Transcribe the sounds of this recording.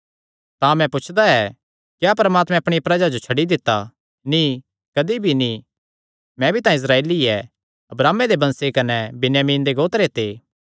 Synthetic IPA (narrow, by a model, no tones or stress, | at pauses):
t̪ãmɛ̃pʊt͡ʃʰd̪aɛ | kjapɐɾəmaːt̪mɛ̃ɐpɽ̃iɐpɾɐd͡ʒad͡ʒot͡ʃʰɐɽid̪ɪt̪ːa | ni | kɐd̪ibʱinĩ | mɛ̃bʱit̪ãːĩɪs̬ɾaːeːliɛ | ɐbɾaːmːed̪ebɐ̃nsekɐnɛbɪnjaːmiːnd̪eɡoːt̪ɾet̪eː